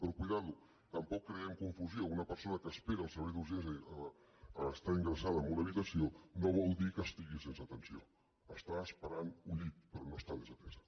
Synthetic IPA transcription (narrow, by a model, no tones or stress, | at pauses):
pɾɔkujðalu | t̪əmpɔkːɾeɛmkuɱfuziounəpəɾsonəkəːspeɾəlˠsəɾβɛjðuzjenzəː | st̪aiŋɡɾəsaðəmoləβit̪əsionoβ̞ɔlˠd̪ikəst̪iɣisensət̪ənsio | əst̪aəspəɾanuʎit̪̚pəɾɔnost̪aðezət̪ɛzə